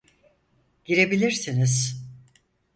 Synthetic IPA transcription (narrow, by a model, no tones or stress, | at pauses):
ɟ̥iɾe̞bilʲiɾsiniz̥